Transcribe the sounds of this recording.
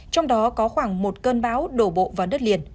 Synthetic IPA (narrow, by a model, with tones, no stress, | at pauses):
t͡ɕɔ˧wŋ͡mɗɔ˨˦kɔ˨˦xwaː˧˩ŋmo˨˩t̚kəː˧nɓaː˨˦wɗo˧˩ɓo̰˧˨vaː˨˩ɗə˦˥t̚li˨˩ən